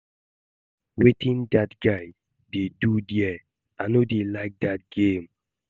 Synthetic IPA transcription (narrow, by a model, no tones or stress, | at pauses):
wetʰĩndatɡaɪ | dedudjɛ | anodelaɪk̚dat̚ɡẽm